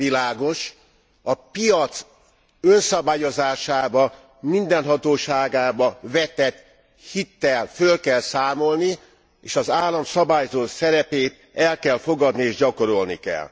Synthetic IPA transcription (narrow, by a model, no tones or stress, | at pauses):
ilaːɡo̞ʃ | ɒpijɒt̪s | ønsɒbaːjo̞zaːʃaːbɒ | mind̪ɛnɦɒt̪oːʃaːɡaːbɒvɛt̪ɛt̪ | hit̪ːɛlfølkɛlsaːmo̞lni | eːʃɒzaːlːɒmsɒbaːjzoːsɛɾɛpeːt̪ | ɛlkɛlfo̞ɡɒd̪nieːʒɟɒko̞ɾo̞lnḭkɛ̰l